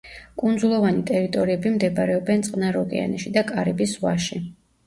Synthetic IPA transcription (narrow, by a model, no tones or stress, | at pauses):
kʼund̪zulˠɔvanit̪ʼɛɾit̪ʼɔɾiɛbimd̪ɛbaɾɛɔbɛnt̪sʼqʼnaɾɔkʼɛ̰a̰nɛʃid̪akʼaɾibisvwaʃi